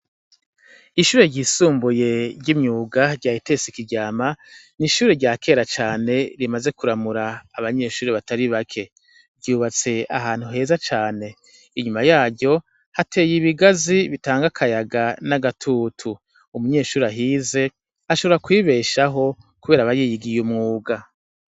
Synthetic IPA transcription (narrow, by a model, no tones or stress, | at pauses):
iʃuːɾe̞ɾɟiːsuːmbuje̞ɾɟimɲuːɡaɾɟaːjite̞ːsikiɾɟaːma | niʃuːɾe̞ɾɟaːke̞ːɾat͡ʃaːne̞ɾimaze̞kuɾamuɾaːβaɲe̞ːʃuːɾeβataɾiβakʰe̞ | vɟuːβat͡se̞a̰ɦaːn̥huɦe̞ːzat͡ʃaːne̞ | iɲumajaːɟjo̞ | hatʰe̞ːjiβiɡaziβitaːŋɡakʰajaɡanaɡatʰuːtʰu | umuɲe̞ːʃuːɾeaɦize̞ | aʃo̞βo̞ɾakwiːβe̞ːʃaɦo̞ | kuβe̞ːɾaβajijiɡijumŋuːɡa